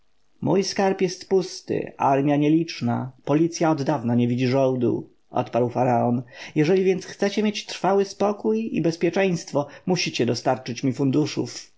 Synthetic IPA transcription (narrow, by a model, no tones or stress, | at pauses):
mujskaɾpjɛst̪pust̪ɪ̰ʔaɾmʲjaɲɛlʲit͡ʂna̰pɔlʲit̪sʲjaɔd̪d̪avnaɲɛvʲid͡ʑiʐɔ̃wd̪ṵ | ɔ̰t̪paɾwfaɾaɔnjɛʐɛlʲivʲjɛnt̪sxt̪sɛt͡ɕɛmʲjet͡ɕt̪ɾfawɘspɔkujḭbɛspʲjɛt͡ʂɛj̃st̪fɔmuɕit͡ɕɛd̪ɔst̪aɾt͡ʂɘt͡ɕmʲifund̪uʂṵf